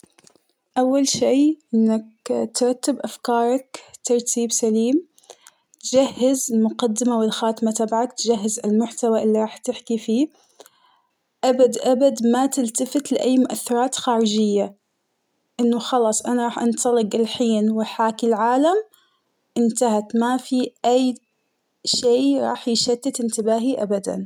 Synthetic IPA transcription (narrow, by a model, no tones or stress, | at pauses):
ʔawːalʃiːʔɪnːakt̪ɾˤɑt̪ːɪbʔafkɑːɾˤɑkt̪ɑɾˤt̪ʰiːbsaliːm | t̪d͡ʒahːɪzɪlmʊqɑd̪ːɪmawɪlxaːt̪mat̪abʕakt̪d͡ʒaɦːɪzɪlmʊħt̪awaʔɪlːiɾˤɑːħt̪ɪħkifiː | ʔabad̪ʔabad̪mat̪ɪlt̪afɪt̪lɪʔajːmʊʔaθːɑɾˤɑːt̪xaːɾɪd͡ʒɪjːa | ʔɪnːʊxɑlɑːsˤʔanaɾˤɑːħʔɑnt̪ɑlɪqɪlħiːnwɪħaːkɪlʕaːlam | ʔɪnt̪ahat̪mafiʔajː | ʃeːɾˤɑ̰ːħjɪʃad̪ːɪt̪ʔɪnt̪ɪbaːɦiʔabad̪a̰n